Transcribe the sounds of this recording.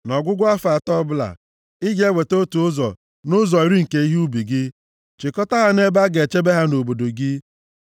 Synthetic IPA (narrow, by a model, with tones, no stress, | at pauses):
nɔ˨ɡʷʊ˦ɡʷa˦fa˨tɔ˦bʊ˦la̰˨ | ɪ˦ɡe˦we˨to˦tu˨ʊ˦zɔ̰˨ | nʊ˦zɔ˨i˨ɾi˦ŋ̩˨ke˨i˦ɦi˦u˦bi˨ɡɪ˦ | t͡ʃɪ˨kɔ˦ta˦ɦa˦ne˦ba˦ɡe˨t͡ʃe˦be˦ɦa˦no˨bo˨do˨ɡɪ˦